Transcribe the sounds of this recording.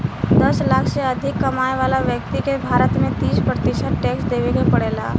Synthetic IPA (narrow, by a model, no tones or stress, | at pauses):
d̪əslaːkʰseəd̪ʱɪkːɐmaːjʋaːlaʋjək̚t̪ikebʱaːɾət̪mẽt̪iːspɾət̪iʃət̪ʈeːksd̪eːʋekepɐɽeːla̰ː